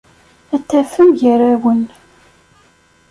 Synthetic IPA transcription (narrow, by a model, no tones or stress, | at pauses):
æt̪ːæfəmʝəɾæwən